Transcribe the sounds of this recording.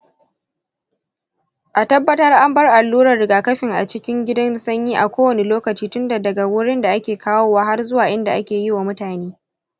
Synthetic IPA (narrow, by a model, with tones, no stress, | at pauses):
ʔa˨tɐ˦bːɐ˦tɐ˦rʔa˦mbɐ˦rʔa˨lːuː˦ɾɐ˨rɽɪ˨ɡaː˨kɐ˦ɸɪ˨ŋʔa̰˨t͡ʃɪ˦kʲɪ˦ŋɡʲɪ˦dɐ˦nsɐ˦ɲjiː˦ʔa̰˨kʷoː˦wɐ˨ne˨loː˦kɐ˨t͡ʃiː˦tʊ˦nda˨dɐ˨ɡa˨wʊ˦ɽɪ˦nda˨ʔa˦kʲeː˨kʰaː˦woː˦waː˦ɦa˦rzʊ˦waː˨ʔɪ˦nda˨ʔa˦kʲeː˨jɪ˦wa˨mʊ˦taː˨neː˦